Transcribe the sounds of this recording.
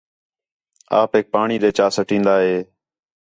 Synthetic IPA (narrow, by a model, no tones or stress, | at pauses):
a̰ːpɦeːk̚paːɳiːd̪eːt͡ʃaːsəʈĩːnd̪aːɦeː